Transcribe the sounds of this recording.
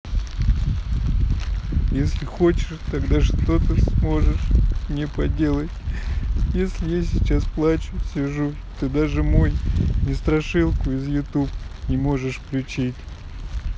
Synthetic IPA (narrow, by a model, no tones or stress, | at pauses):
jesʲlʲɪxo̞t͡ɕɪ̥ʂt̪ɐɡd̪aʂt̪o̞t̪əsmo̞ʐɨʂmnʲɪpɐdʲe̞lˠətʲ | jesʲlʲɪjasʲɪt͡ɕasplˠat͡ɕʊsʲɪʐu | t̪od̪aʐɨmo̞jnʲɪst̪ɾɐʂɨlˠkʊɪzjʊt̪upnʲɪmo̞ʐɨʂplʲɪt͡ɕitʲ